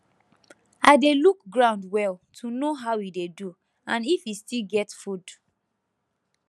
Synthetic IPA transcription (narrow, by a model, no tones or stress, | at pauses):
aɪdeluk̚ɡɹãʊ̃ndwɛltʰunoɦaʊidedu | ãnifistilɡɛtfud